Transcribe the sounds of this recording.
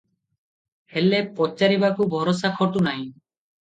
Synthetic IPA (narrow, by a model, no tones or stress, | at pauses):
helepɔt͡ʃːaɾibakubʱɔɾɔsakʰɔt̪unaj̃